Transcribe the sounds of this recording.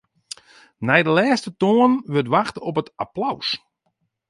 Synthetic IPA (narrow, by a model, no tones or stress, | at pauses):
nɛjdəlɛːstətoənʋøtʋaxtəɔp̬ətaplaws